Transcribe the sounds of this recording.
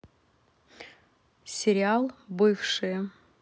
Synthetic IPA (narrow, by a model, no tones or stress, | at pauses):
sʲɪɾʲɪalˠbɨfʂɨjə